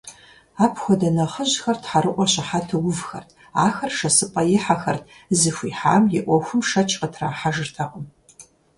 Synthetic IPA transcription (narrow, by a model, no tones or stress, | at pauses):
aːpʰxʷɔdɐnɐχəʑxɐrtʰħaɾɨʔʷɔɕɪħatʰɐwʊvxɐ̰rtʰ | aːxɐrʂɐsɨpʼɐjɪħaxɐrtʰzɨxʷḭːħaːmjɪʔʷɔxʷʊmʃɐt͡ʃʰʼqətʰraːħaʒɨrtʰɐqəm